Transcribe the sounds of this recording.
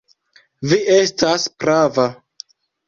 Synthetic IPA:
viʔe̞staspɾava

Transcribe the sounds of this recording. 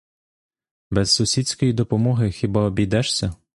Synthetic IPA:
bɛz̥ːʊsʲisʲkɔjid̪ɔpɔmɔɦɪxʲɪbaɔbʲijd̪ɛʃsʲɐ

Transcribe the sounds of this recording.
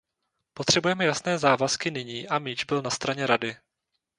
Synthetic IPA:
po̞t̪r̥ɛbujɛmɛjasnɛːzaːvaskɪnɪɲiːʔamɪd͡ʒbɪlnast̪ɾaɲɛɾadɪ

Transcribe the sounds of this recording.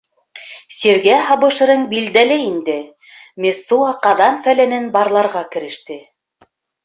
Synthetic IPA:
siɾɡæɦɑβɤ̆ʃɤ̆ɾɤɴbild̪ælɘind̪ɘ | mʲesːuɑqɑðɑnfælænɘnbɑɾlˠɑɾʁɑkɘ̆ɾɘ̆ʃt̪ɘ

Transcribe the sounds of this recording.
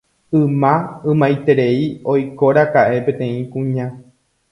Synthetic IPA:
ɨ̃mãɨ̃mãjt̪e̞ɾe̞io̞jko̞ɾakaʔe̞pẽ̞t̪ẽ̞ĩkũɲã

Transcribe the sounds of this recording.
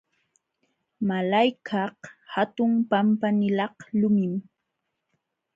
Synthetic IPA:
malajkʰɑhhat̪ʊmpampanɪlɑhlʊmɪm

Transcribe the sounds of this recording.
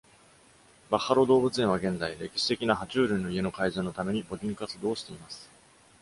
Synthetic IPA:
bahaɾo̞d̪o̞ːbɯ̟t͡sɨẽβaɡẽ̞nd͡zaiɾe̞kʲi̥ɕi̥t̪e̞kʲinaɦat͡ɕɨːɾʲɯ̟̃nːo̞ie̞no̞kaizoːno̞t̪ame̞ɲ̟ibo̞ɾʲĩŋkat͡sɨd̪o̞ːɕi̥t̪e̞imasɨ̥

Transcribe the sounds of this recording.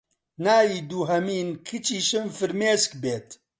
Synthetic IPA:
naːjiːd̪uːɦɐmiːnkʰɨt͡ʃiːʃɨmfɨɾmeːskbeːt̪

